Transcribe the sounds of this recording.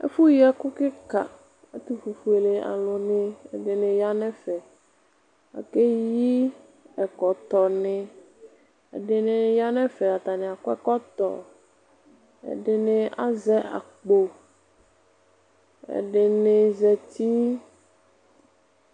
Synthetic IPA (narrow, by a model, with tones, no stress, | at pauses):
ɛ̰˦fu˦ji˦ɛ˦kʊ˦kɪ˦ka̰˨ | a˦t̪u˦fu˨fu˨˦e˨le˨a̰˨lʊ̃˨nɪ̃˦ɛ̰˨ɖɪ˨nɪ̃˨ja˦nɛ̃˦fɛ˨ | a̰˨ke˦ji˦ | ɛ˨kɔ˨t̪ɔ˨nɪ̃˦ | ɛ̰˨ɖɪ˨nɪ̃˨ja˦nɛ̃˦fɛ˨a˨t̪a˨nɪ̃˨a˨kʊ˦ɛ˦kɔ˦t̪ɔ̰˨ | ɛ̰˨ɖɪ˨nɪ̃˦a̰˨zɛ˦a̰˨k͡po˨ | ɛ̰˨ɖɪ˨nɪ˨zɛ˨t̪i˦